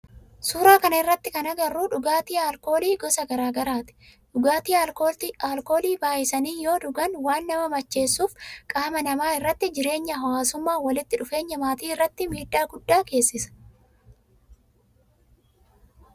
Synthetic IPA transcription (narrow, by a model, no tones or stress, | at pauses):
suːɾaːkɐnɐɪrːɐt̪ːɪkɐnɐɡɐrːuːᶑʊɡaːt̪iːɐlko̞ːliːɡɔsɐɡɐɾaːɡɐɾaːt̪ɪ̥ᶑʊɡaːt̪iːɐlkoːaːlko̞ːliːbaːjɪsɐniːjo̞ːᶑʊɡɐnwaːnːɐmɐmɐt͡ʃːe̞ːsːuːfkʼaːmɐnɐmaːɪrːɐt̪ːɪd͡ʒɪɾe̞ːɲːɐɦɐwaːsʊmːaːwɐlɪt̪ːɪᶑʊfe̞ːɲːɐmaːt̪iːɪrːɐt̪ːɪmiːd̪ːaːɡʊd̪ːaːke̞ːsːɪsɐ̥